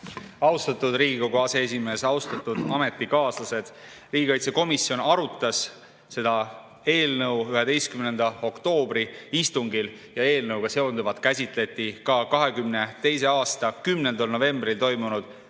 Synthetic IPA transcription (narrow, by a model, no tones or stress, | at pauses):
ɑwst̪ɑt̪ːˑud̪riːɡikoɡuɑsees̬ʲime̞ːsɑwst̪ɑt̪ːˑud̪̥ɑme̞t̪ːˑikɑːslɑse̞d̪̥ | riːɡ̥ʲiɑjt̪se̞ko̞misio̞nɑɾut̪ːˑɑs | se̞d̪ɑ | e̞ːlnɤwyɦe̞d̪e̞jst̪kymnend̪̥ɑo̞kt̪o̞ːbriist̪uŋɡil | jɑe̞ːlnɤwɡ̥ɑse̞ond̪uvɑt̪ˑkæsʲit̪ˑle̞t̪ːˑikɑkɑɦe̞kymne̞t̪e̞js̬e̞ɑːst̪ɑkymnend̪ɑlnove̞mbrilt̪o̞jmunud̪̥